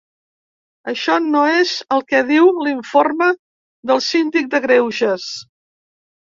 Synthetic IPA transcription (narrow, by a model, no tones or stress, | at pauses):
əʃɔnoezəlˠkɛðiwliɱformə | ðəlˠsind̪ik̚d̪əɣɾewʒəs